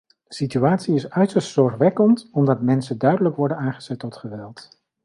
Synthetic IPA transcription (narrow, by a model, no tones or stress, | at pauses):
d̥əsityaːtsiɪsœɥtəɹstsɔɹχʋɛkəntɔmdɑtmɛnsəndœɥdələkʋɔɹdənaːŋχə̥z̥ɛtːɔtχəʋɛlˠt